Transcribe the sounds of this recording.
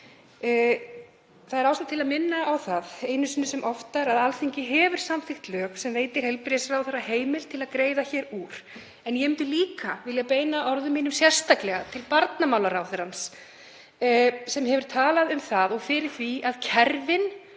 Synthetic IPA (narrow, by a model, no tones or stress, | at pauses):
θaðɛɾawsat̪ʰɪlaðmɪnːaʔawθaðeːjnʏsɪnːʏsɛmʔɔft̪aɾaðalθiɲcɪɦɛvʏɾ̥samθɪxt̪lœːksɛmveːjt̪ɪɾ̥hɛjlpɾjɛsrawθeɾaɦeːjmɪlt̪ʰɪlaðkɾeːjðaçɛːɾuːɾ̥ | ɛnjɛʏmt̪ʏliːkavɪljapeːjnaʔɔɾðʏmːiːnʏmsjɛr̥st̪aklɛɣat̪ʰɪlpaɾt̪namaːwlaɾaːwθɛɾans | sɛmhɛvʏɾ̥t̪ʰaːlaðʏmθaðɔɣfɪɾɪɾ̥θviaðcʰɛɾvɪn